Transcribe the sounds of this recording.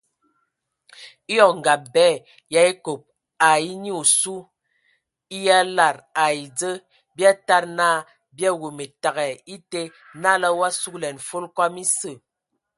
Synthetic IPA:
i˦jɔ˦˨kŋ̩˨ɡa˨p̚bɛː˦˨ | ja˦e˦ko˨p̚ | a˨i˦ni˦o˨su˦ | i˦ja˦la˨ɾa˨i˨d͡zə˦ | bja˦ta˦ɾnaː˦˨ | bja˦wo˨me˨ta˨ɣɛ˨i˦te˦ | na˦la˦wa˦su˦klɛ˨n˨fo˦lkwa˦mi˦sə˦˨

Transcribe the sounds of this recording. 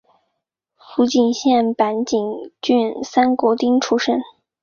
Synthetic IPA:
fu˧˥t͡ɕi˨˩nɕjɛ˥˩npa˧˥nt͡ɕi˨˩ŋt͡ɕy˥˧nsa˥nkwɔ˧˥t̪i˥ŋʈ͡ʂʰu˥ʂə˥n

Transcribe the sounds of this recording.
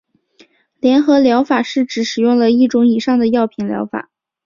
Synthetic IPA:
ljɛ˧˥nxɤ˧˥ljɑ˧˥ʊfa˨˩ʂɻ̩˥˩ʈ͡ʂɻ̩˨˧˥ʂɻ̩˨˩jʊ˥˩ŋlə˩i˥˩ʈ͡ʂʊ˧˥ŋi˨˩ʂɑ˥˩ŋd̪ə˩jɑ˥˩ʊpʰi˧˥ŋljɑ̰˧˥ʊfa̰˨˩˦

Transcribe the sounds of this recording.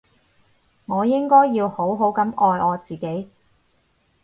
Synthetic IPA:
ŋɔː˨˧jɪ˥ŋkɔː˥jːiː˧who˨˥wɦo˨˥wkɐ˨˥mɔː˨˧jɔː˨˧t͡siː˨ke˨˥j

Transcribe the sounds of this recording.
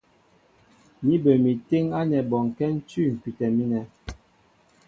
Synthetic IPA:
mi˦bə˨mi˨te˦ŋa˦nɛ˨bɔ˨ŋkɛ˦n̩˦t͡ʃy˦˨ŋ̩˨ki˨tɛ˨mi˦nɛ˨

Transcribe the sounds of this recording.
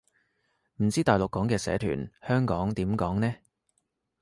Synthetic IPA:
m̩˨˩t͡siː˥t̪aː˨jlʊ˨kːɔː˨˥ŋkɛː˧sɛ̰ː˨˥t̪ʰy̰ː˨˩nhœː˥ŋkɔː˨˥ŋt̪iː˨˥mkɔː˨˥ŋnɛː˥

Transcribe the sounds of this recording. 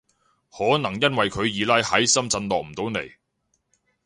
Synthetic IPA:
hɔː˨˥nɐ˨˩ŋjɐ˥nwɐ˨jkʰɵ˨˧ɥjiː˨˧lɐː˥jhɐ˨˥jsɐ˥mt͡sɐ˧nlɔː˨k̚m̩˨˩t̪o˨˧wnḛ˨˩j

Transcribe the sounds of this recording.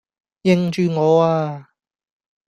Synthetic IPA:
jɪ˨ŋt͡ʃyː˧ŋɔː˨˧aː˧

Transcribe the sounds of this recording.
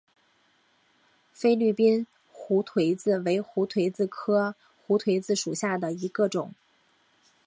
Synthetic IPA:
fe˥ɪly˥˩pi˥n | xu˧˥t̪ʰwe˧˥ɪd͡zɹ̩˥˩we˧˥ɪxu˧˥t̪ʰwe˧˥ɪt͡sɹ̩˥˧kʰɤ˥ | xu˧˥t̪ʰwe˧˥ɪt͡sɹ̩˥˩ʂu˨˩ɕja˥˩d̪ə˩i˧˥ɡə˧ʈ͡ʂʊ˨˩˦ŋ

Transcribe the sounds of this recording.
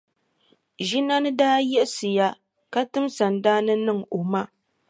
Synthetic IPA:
ʒi˦na˦nɨ˦daː˦jɛ˦ʔsɨ˨ja˦ | ka˦tɨ˦msa˨n˨daː˦nɨ˦nɨ˦ŋo˨ma˦

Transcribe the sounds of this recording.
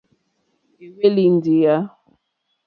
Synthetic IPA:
e˨be˦li˦n˦di˨ja˦

